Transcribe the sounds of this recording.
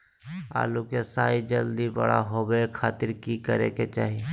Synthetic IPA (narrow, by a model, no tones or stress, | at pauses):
a̰ːlukesaːid͡ʒəld̪ibɐ̰ɽa̰ɦoːbekʰaːt̪ɪɾkikəɾḛket͡ʃaːɦie